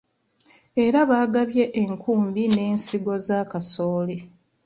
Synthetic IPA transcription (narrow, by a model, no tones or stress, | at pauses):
eɾaβaːɡaβje̞ʔeŋkʰuːmbine̞ːnsiɡo̞zaːkaso̞ːle